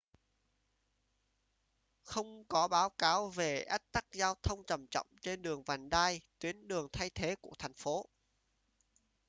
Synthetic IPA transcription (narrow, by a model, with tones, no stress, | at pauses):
xə˧wŋ͡mkɔ˨˦ɓaː˨˦wkaː˨˦wve˨˩ʔə˦˥k̚t̪a˦˥k̚zaː˧wt̪ʰə˧wŋ͡mt͡ɕə˨˩mt͡ɕɔ̰˧˨wŋ͡mt͡ɕe˧nɗɨ˨˩əŋvaː˨˩nɗaː˧jt̪wi˨˦ənɗɨ˨˩əŋt̪ʰa˧jt̪ʰe˨˦kṵ˧˩ət̪ʰɛ˨˩jŋ̟fo˨˦